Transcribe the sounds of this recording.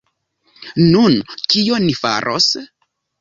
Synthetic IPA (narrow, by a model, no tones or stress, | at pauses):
nunkionifa̰ɾʔo̰s